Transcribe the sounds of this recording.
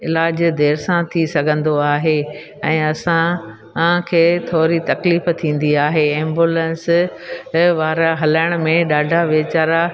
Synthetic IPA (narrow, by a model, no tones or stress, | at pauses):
ɪlaːd͡ʑd̪eːɾsãt̪ʰisɐɡʱə̃nd̪oaːɦe | ɛ̃ːɐsã | kʰeːt̪ʰoːɾit̪ɐkliːft̪ʰĩːn̆d̪iaːɦeɛ̃ːmbuːlə̃ns | ʋaːɾaɦɐlaːɪɽ̃ʊ̆mẽɗaːɖʱaʋeːt͡ɕaːɾa